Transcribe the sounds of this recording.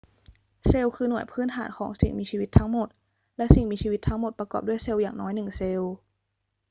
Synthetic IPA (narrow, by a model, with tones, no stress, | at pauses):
se˧wkʰɯː˧nu˨˩əjpʰɯː˥˩nt̪ʰaː˩˦nkʰɔː˩˦ŋsḭ˨˩ŋmiː˧ɕʰiː˧wi˦˥t̪ʰːa˦˥ŋmo˨˩t̪̚ | lɛ˦˥ʔsi˨˩ŋmiː˧t͡ɕʰiː˧wi˦˥t̪ʰːa˦˥ŋmo˨˩t̪̚pɾa˧kɔː˨˩p̚du˥˩jse˧wjaː˨˩ŋnɔː˦˥jnɯ˨˩ŋse˧w